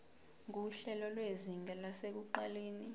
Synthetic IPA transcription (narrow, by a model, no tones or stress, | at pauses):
ŋ̬uɬɛlɔlweziŋʱɛlasek̬uǃaleːni